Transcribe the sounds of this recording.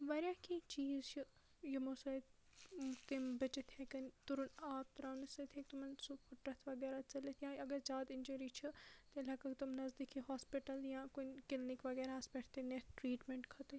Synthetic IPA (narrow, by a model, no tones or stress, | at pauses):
ʋɐɾʲjaːkit͡ʃiːzt͡ʃʰi | jimosɐ | t̪imbɐt͡ʃit̪ʰjekɐnt̪uɾunaːp̚t̪ɾaːnisɐt̪ʰekt̪umɐnsupuʈɾɐt̪ʰʋɐɡɛːɾat͡ʃɐlet̪ʰjãːɐɡɐɾd͡ʒaːd̪ɪnd͡ʒuɾit͡ʃʰit̪elʲɐkɐkt̪umnɐzd̪ikʰiɦaːspiʈɐljãːkunkɪlnikʋɐɡɛːɾaspɐʈʰt̪enet̪ʈɾiːʈmeɳʈkʰɐt̪e